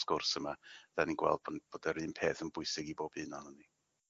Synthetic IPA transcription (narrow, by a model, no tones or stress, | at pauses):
skʊrsəmad̥aniɡwɛ̰lˠd̚bb̥oːdəɾɨːnpʰeːθənbʊɨsɪɡiboːbɨnanəni